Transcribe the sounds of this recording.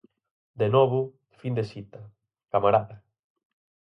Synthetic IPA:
d̪enɔβʊ | find̪esit̪ɐ | kamaɾaða

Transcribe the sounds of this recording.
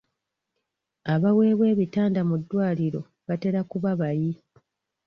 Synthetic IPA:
aβawe̞ːβwe̞ːβitaːndamudːwaːliɾo̞ | βate̞ɾakuβaβaji

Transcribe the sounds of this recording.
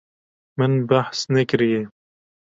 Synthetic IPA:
mɨnbaħsnɛkɾije

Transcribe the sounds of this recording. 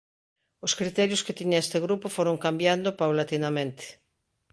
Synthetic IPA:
ʊskɾit̪ɛɾjʊsket̪iɲaest̪eɣɾupofoɾoŋkambjand̪opawlat̪inamẽnt̪e̥

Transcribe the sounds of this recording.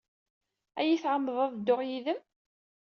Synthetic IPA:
æjiθʕəmːðˤævd̪ːʊʁjiðəm

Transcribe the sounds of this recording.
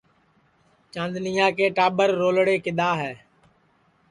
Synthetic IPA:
t͡ʃãːnd̪nɪjãːkeːʈaːbəɾːoːlɽeːkɪd̪aːɦɛː

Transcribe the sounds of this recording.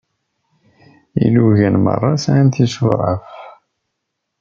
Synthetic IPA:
ḭluʝænmə̰rˤːɑsʕant̪isuɾˤəf

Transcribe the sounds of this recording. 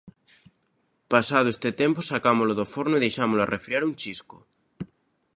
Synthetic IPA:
pasað̞oest̪et̪emposakamoloðofoɾnoiðejʃamoloa̰rʔefɾiaɾunt͡ʃisko

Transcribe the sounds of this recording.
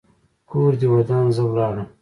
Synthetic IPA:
kʰoːɾd̪iwɐd̪ɑːnzəwlɑːɾəm

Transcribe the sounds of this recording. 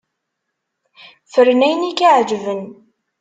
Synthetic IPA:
fəɾnæjnikiʕd͡ʒvən

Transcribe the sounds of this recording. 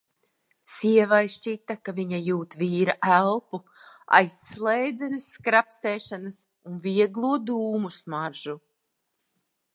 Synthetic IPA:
siɛvajst͡ʃit̪ːakaviɲajuːt̪viːɾaʔælˠpu | a̰jsːlˠɛjd̪zɛnɨsːkɾapst̪ɛːʃanas | unviɛɡlˠuɔd̪uːmusmaɾʒu

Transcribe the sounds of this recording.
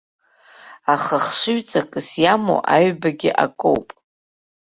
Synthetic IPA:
aχəχʂɨɥt͡sʼakʼɨsjamo̰ʔaɥbaɡʲɪʔa̰kʼowpʼ

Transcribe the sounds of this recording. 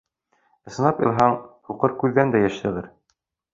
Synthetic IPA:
ɤ̆sɤ̆nɑpjɤ̰̆lˠɦɑɴh̪uqɤɾkʉðːænd̪æjæ̆ʃt̪ɘ̆ʁɘɾ

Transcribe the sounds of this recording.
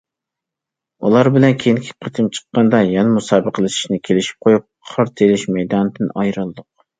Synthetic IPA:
ulˠɑɾbɪlɛnkʲʰejiŋkʲʰi̥qʰət̪ʰɨmt͡ʃʰə̥qːɑnd̪ɑjɑnmusɑːbəqʰəlˠɨʃi̥ʃnɪkʲʰelɪʃi̥p̚qʰojup̚ʰɑɾt̪ʰelɪʃmɛjd̪ɑnd̪ɨnɑjɾɨlˠɨd̪ʊq̚

